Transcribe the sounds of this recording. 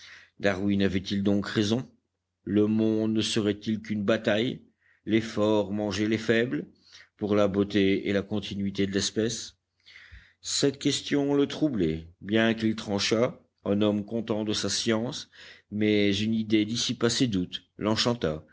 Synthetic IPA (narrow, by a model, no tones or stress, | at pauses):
d̪aʁwinavɛt̪ild̪ɔ̃kʁezɔ̃ | ləmɔ̃d̪nəsəʁɛt̪ilkynbat̪aj | lɛfɔʁmɑ̃ʒelefɛbl | puʁlabot̪eḛlakɔ̃t̪ʰinɥit̪ed̪əlɛspɛs | sɛt̪kʲɛst̪jɔ̃lət̪χublɛbjɛ̃kilt̪χɑ̃ʃa | ɛ̃nɔmkɔ̃t̪ɑ̃d̪əsasjɑ̃smɛzynid̪ed̪isipased̪ut̪ | lɑ̃ʃɑ̃t̪a